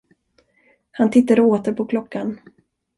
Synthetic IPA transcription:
hant̪ʰɪt̪ːad̪əoːt̪əɾpʰɔkʰlɔkʰːan

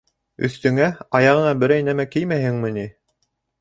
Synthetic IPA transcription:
ɵ̰̆θt̪ɵ̆ŋæɑjɑʁɤ̆nɑbɘ̆ɾæjnæmækɘjmæhɘ̆ŋmɘ̆ni

